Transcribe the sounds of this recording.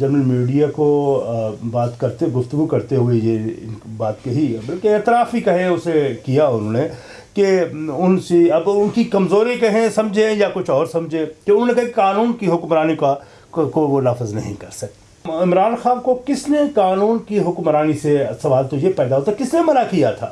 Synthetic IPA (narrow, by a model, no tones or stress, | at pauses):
d͡ʒɐɾməlmiːɖijako | baːt̪kɐɾt̪eɡʊft̪ʊɡukɐɾt̪eɦʊejeɪbaːt̪kɐɦibɐlkeɐt̪ɾaːfikɐɦẽʊsekijaʊnɦõːne | keʊnsiɐbʊnkikɐmzoːɾẽkɐɦẽsɐ̃md͡ʒʱẽjakʊt͡ʃʰɔːɾsɐmd͡ʒʱẽkeʊnɦõːnekɐɦĩkekaːnuːnkiɦʊkmɾaːnika | koːʋolaːfəznɐ̰ɦĩkɐɾsɐk̚t̪ | ɪmɾaːnxaːnkokɪsnekaːnuːnkiɦʊkmɾaːnisesɐʋaːlt̪ojepɛːd̪aɦoːt̪ʰakɪsnemɐnakijat̪ʰa̰ː